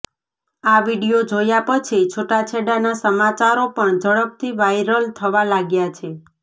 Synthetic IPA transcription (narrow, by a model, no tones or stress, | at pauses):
aʋiɽijod͡ʒojapət͡ʃʰit͡ʃʰoʈat͡ʃʰeɽanasəmat͡ʃaɾopəɳd͡ʒəɭəp̚t̪ʰiʋajɾəlt̪ʰəʋalaɡjat͡ʃʰe